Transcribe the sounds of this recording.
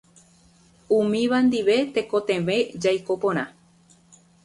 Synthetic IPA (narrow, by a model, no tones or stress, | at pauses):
umĩʋand̪iʋe̞t̪eko̞t̪ẽʋẽd͡ʒajkopõɾ̃ã̰